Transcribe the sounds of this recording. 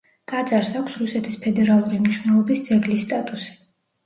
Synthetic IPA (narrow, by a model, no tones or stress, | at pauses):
k̪ʼad̪zʼaɾsakʷʰsɾusɛt̪ʰispʰɛd̪ɛɾalˠuɾimniʃwnɛlˠɔbisd̪z̥ɛɡlisːt̪ʼat̪ʼusi̥